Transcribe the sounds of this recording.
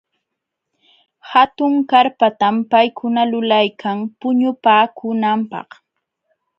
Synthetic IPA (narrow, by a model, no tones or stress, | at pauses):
hat̪ʊŋkaɾpat̪ampajkʰʊnalʊlajkʰaŋpʊɲʊpaːkʊnampɑ̰χ